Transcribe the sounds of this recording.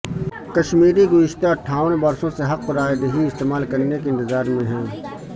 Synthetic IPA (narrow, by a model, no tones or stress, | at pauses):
kɐʃmiːɾiɡʊɪʃt̪ʰaɐʈʰːaːʋənbɐɾsõseɦɐq̚pɐɾaːjd̪ɦiɪst̪eːmaːlkɐɾnekeɪ̃nt̪ɪzaːɾmẽɦɛ̃ː